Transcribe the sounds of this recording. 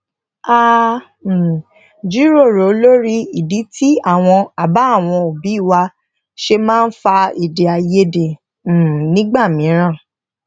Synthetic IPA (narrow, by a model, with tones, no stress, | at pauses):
a˦˨ | d͡ʒi˦ɾo˦˨ɾo˨˦lo˦ɾi˦i˨di˨˦tʰi˦a˦˨w̃ɔ̃˧a˨ba˨˦˨w̃ɔ̃˧o˨bi˨˦i˦˨wa˧ | ʃe˧mãː˦˧n̩˦fa˧i˨de˨a˨je˧de˨˦˨ | nĩ˦ɡ͡ba˦˨mĩ˨˦ɾ̃ã˦˨